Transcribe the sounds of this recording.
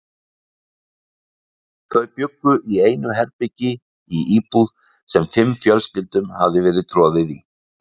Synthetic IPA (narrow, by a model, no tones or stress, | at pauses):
θœːɥðpjʏkːʏʔieːjnʏɦɛɾpɪcɪ | iʔiːpuð | sɛmfɪmːfjœlscɪlt̪ʏmhavðɪvɛːɾɪðt̪ʰɾɔːðɪðḭ